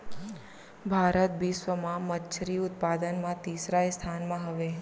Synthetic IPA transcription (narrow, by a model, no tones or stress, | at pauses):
bʱaɾət̪̚bisʋəmãmət̪t͡ʃʰɾiʊt̪pad̪ənmãt̪isɾajst̪ʰanmãɦəʋe